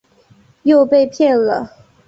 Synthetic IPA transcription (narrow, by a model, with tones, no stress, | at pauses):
jo˥˧ʊpe˥˧ɪpʰjɛ˥˩nlə˩